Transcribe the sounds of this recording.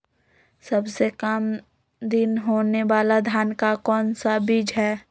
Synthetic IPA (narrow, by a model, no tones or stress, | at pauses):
sɐbsekəm | d̪ɪnɦoːneʋaːlad̪ʱjaːnkakɔːnsabid͡ʒɦɛː